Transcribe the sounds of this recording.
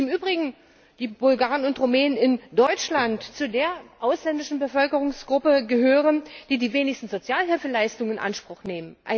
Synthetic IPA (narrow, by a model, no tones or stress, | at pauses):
ɪmʔyːbʁɪɡŋ̩ | d̥iːbʊlɡaːʁənʊntʁomeːnənɪndɔʏt͡ʃlantt͡sudeːɐʔaʊslɛndɪʃn̩bəfœlkəʁ̞ʊŋsɡ̥ʁʊpəɡəɦøːʁənd̥iːdiːveːnɪçstn̩zot͡sjaːlɦɪlfəlaɪstʊŋɪnʔa̰nʃpʁ̥ʊxneːmənʔa